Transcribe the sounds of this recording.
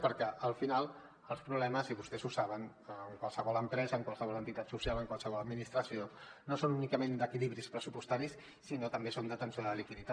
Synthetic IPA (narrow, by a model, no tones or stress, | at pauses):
pəɾkɛʔəlˠfinalˠ | əlˠspɾuβlɛməziβust̪ɛzusaβ̞ənː | ŋkwalˠsəβɔləmpɾɛzəːŋkwalˠsəβ̞ɔlənt̪it̪at̪susialəŋkwalˠsəβ̞ɔləd̪minist̪ɾəsionosonunikəmend̪əkiliβɾispɾəsupust̪aɾisː | inot̪əmbesond̪ət̪ənsioðəlikiðit̪a